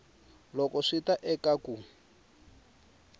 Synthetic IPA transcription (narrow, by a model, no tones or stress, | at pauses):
lɔkɔʂitaʔɛkaku